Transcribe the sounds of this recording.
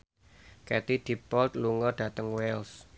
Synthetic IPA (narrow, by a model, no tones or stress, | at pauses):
kɛt̪id̪̥i̤pɔlt̪̚luŋɔɖ̥ä̤t̪əŋwɛls